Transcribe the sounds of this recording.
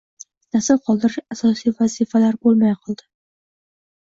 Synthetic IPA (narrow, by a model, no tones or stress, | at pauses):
nasɪlqʰɒlˠd̪ɪɾɪʃasɒsijvazifalaɾbolˠmajqʰɨlˠd̪ɪ